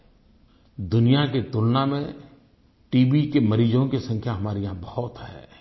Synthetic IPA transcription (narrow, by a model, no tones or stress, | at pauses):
d̪ʊnijaket̪ʊlnamẽ | ʈiːbikeməɾiːd͡ʒõkesə̃ŋkʰjaɦɐmaːɾijãbɐhʊt̪ɦɛ̰ː